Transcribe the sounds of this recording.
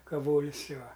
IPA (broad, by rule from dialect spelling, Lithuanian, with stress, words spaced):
kɐˈʋoːlʲɪs ˈjuɔ